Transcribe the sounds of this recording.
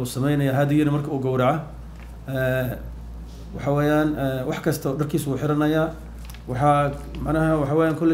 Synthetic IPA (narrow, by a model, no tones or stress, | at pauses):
uːsɐmɛjnɐjaːɦɐd̪ɪjɪnɐmɐrkʰɐuːɡɐwɾɐʕa | ɛː | wɑ̰ħɑwɛːjaːnɛwɑħkʰɐst̪ʰɐɖɐrkʰiːsuːħɪɾɐnɐjaː | wɑħɑmɑʕnɐɦɐwɑħɑwɛːjaːŋkʰɔlːɛ